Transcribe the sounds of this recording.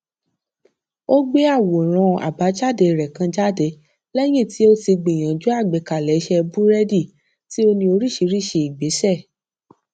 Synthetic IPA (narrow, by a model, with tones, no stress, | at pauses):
o˦ɡ͡be˦a˦˨wo˨ɾ̃ã˧a̰˨ba˨˦d͡ʒa˦˨de˧˨ɾɛ˨kã˧d͡ʒa˦de˧˦ | lɛ˦j̃ĩ˦˨ti˨˦o˦ti˧ɡ͡be˨j̃ã˨d͡ʒu˨˦a˦˨ɡ͡be˨˦ka˨lɛ˨˦ʃɛ˧bũ˦ɾɛ˦di˦˨ | ti˨˦o˧nĩ˧o˧ɾi˦˨ʃi˧˦ɾi˦˨ʃe˧i˨ɡ͡be˨˦ʃɛ˦˨